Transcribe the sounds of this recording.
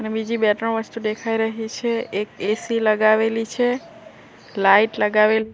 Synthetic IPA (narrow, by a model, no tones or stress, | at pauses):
ənebid͡ʒibɛʈəɳʋəst̪ud̪ekʰaiɾəɦit͡ʃʰeek̚esiləɡaʋelit͡ʃʰe | laiʈləɡaʋel